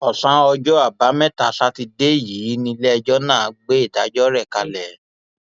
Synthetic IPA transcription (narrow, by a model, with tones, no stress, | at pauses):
ɔ˨sã˨˦ɔ˧d͡ʒɔ˦a˦˨ba˨˦mɛ̃˦ta˨˦sa˦ti˧de˦˨ji˨˦nĩ˧lɛ˦ɛ˧d͡ʒɔ˦nãː˦˨˦ɡ͡be˦i˦˨da˨˦d͡ʒɔ˦ɾɛ˦˨ka˧lɛ˨